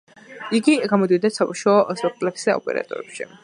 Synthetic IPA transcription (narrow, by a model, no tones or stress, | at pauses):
iɡiɡamɔd̪id̪asabuʃaɔspʼɛk̚ʰt̪ʼlɛpsɛaɔ̰pʼɛ̰ɾa̰t̪ʼɔ̰ɾɛpʃḭ